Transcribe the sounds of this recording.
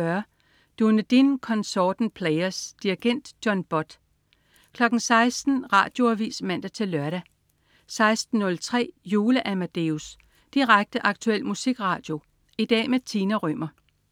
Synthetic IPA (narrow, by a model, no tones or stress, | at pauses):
ɶɐ | d̥unəd̥inkʰɒ̽nsɒːd̥n̩pʰleɪɐsd̥iiɡ̥en̰d̥jɒ̽nb̥ɒ̽d̥ | kʰlɒ̽ɡ̥n̩sɑ̈ɪsd̥n̩ʁɑ̰̈ːd̥jo̝æʋḭːsmæn̰d̥æt͡sʰe̝lːɶɐɾæ | sɑ̈ɪsd̥n̩ːɔ̽lt͡sʰʁɛ̰ːjuːləʔæmæd̥eus | d̥iʁaɡ̥̚d̥əʔɑ̈ɡ̥̚t͡sʰuel̰musiɡ̥ʁɑ̈ːd̥jo̝ | id̥ɛ̰ːmet͡sʰiːnæʁœm̰ɐ